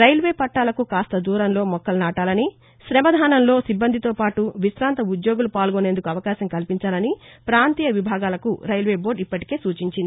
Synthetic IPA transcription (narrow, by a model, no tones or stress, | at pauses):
ɾɐjlʋe̞ːpɐʈːaːlɐkukaːst̪ɐd̪uːɾɐnlo̞ːmɔkːɐlnaːʈaːlɐni | ʃɾɛmɐd̪ʱaːnɐmlo̞ːsibːɐnd̪ʱit̪oːpaːʈuʋisɾaːnt̪ɐud̪jo̞ːɡulupaːlɡone̞nd̪ukuɐʋɐkaːʃɐmkɐlpiɲt͡ʃaːlɐnipɾaːnt̪iːjɐʋibʱaːɡaːlɐkuɾɐjlʋe̞ːbo̞ːɾɖipːɐʈi̥ke̞ːsuːt͡ʃiɲt͡ʃind̪ii